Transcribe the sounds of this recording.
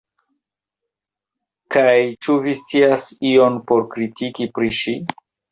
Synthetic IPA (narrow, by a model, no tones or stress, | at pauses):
kajt͡ʃuvist͡siasio̞npo̞ɾkɾitikipɾiʃi